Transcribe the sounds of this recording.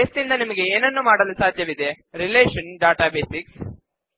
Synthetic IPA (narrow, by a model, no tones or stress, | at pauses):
est̪ind̪ɐnimɐɡeeːnɐnːumaːɽɐlusaːd̪ʱjɐʋid̪e | ɾileːʂɐnɖaːʈaːbeːsiks